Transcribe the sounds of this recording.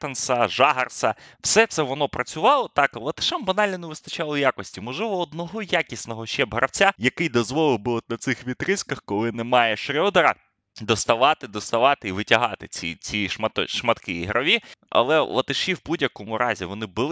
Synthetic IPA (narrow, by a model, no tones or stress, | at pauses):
t̪ɐnsɐʒɑɦɐrsɐw̥sɛt̪sɛʋɔnɔpɾɐt͡sʲʊʋɑlˠɔt̪ɑklˠɐt̪ɪ̥ʃɛmbɐnɑlʲnɔneʋɪst̪ɐt͡ʃɑlˠɔjakɔsʲtʲimɔʒlˠɪʋɔːd̪nɔɦɔjakʲisʲnɔɦɔʃɛbɦɾʔɐwt͡sʲajɐkɪjd̪ɔzʋɔlˠɪbɪɔt̪nɐt̪sɪxʋʲit̪ɾɪskɐxkɔlˠɪnɛmɑjɛʃɾʲɔd̪ɐɾɐ | d̪ɔst̪ɐʋɑt̪ɪd̪ɔst̪ɐʋɑt̪ɪiʋɪtʲɐɦɑt̪ɪt͡sʲḭt͡sʲiʃmɐt̪ɔʃmɐt̪kɪjiɦɾʔɐʋʲiɐ̰lˠɛlˠɐ̰t̪ɪʃiwbudʲjɐkɔmʊɾɑzʲḭʋɔnɪbɪlˠ